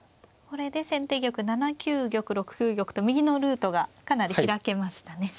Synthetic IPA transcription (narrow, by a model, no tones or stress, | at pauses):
ko̞ɾe̞d̪e̞sẽ̞nt̪e̞ːɡʲo̞kɯ̟nanakʲɨːɡʲo̞kɯ̟ɾo̞kɯ̟̥kʲɨːɡʲo̞kɯ̟̥t̪o̞mʲiɡʲino̞ɾɯ̟ːt̪o̞ɡakanaɾʲiiɾake̞maɕi̥t̪ane̞